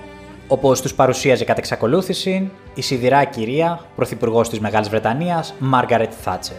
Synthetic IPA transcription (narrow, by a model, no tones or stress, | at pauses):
o̞po̞st̪uspɐɾusiɐzekɐt̪eksɐko̞luθisin | isiðiɾɐciɾiɐpɾo̞θipuɾɣo̞st̪izme̞ɣɐlizvɾe̞t̪ɐniɐzmɐɾɣɐɾet̪θɐ̰t͡se